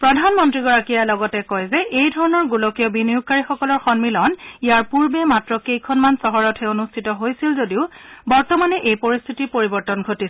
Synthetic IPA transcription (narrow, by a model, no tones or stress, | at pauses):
pɹɔdʱanmɔntɹiɡɔɹakijalɔɡɔtɛkɔjzɛʔejdʱɔɹɔnɔɹɡulɔkijɔbinijuɡ̚kaɹixɔkɔlɔɹxɔnmilɔnijaɹpuɹbɛmatɹɔkejkʰɔnmansɔɦɔɹɔtʰɛonustʰitɔɦojsilzodiʊbɔɹtɔmanɛʔejpoɹist̪ʰitipoɹibɔɹtɔnɡʱotisɛ